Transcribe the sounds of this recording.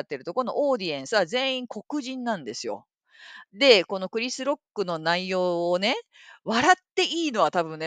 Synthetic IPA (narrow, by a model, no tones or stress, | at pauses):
t̪ːe̞ɾɯ̟t̪oko̞no̞ʔoːd̪ʲiẽɰ̃sɨazẽ̞ːĩŋkʰo̞kɯ̟ʑĩnːãnd̪e̞sɨjo̞̰ | d̪e̞ko̞no̞kɯ̟ɾʲisɨɾo̞kːɯ̟no̞naijo̞ːne̞ | βaɾat̪ːe̞ʔiːno̞ɡat̪abɯ̟̃nːe